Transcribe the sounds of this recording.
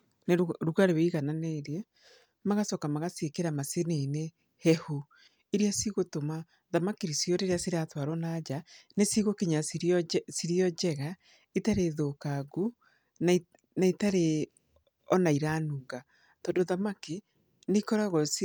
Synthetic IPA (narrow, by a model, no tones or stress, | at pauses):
nɾuɣaɾeweiɣananeːɾie | maɣasɔkamaɣasekeɾamasenene | hɛhu | iɾiasiɣotoma | ðamakiɾisjoɾeɾeasiɾatwaɾɔnad͡ʒanesiɣokiɲasɾsiɾjɔd͡ʒɛɣa | itaɾeðoːkaɡu | na | naitaɾe | ɔnaiɾaːnuːŋɡa | tɔːndoðamaki | nekɔɾaɣɔs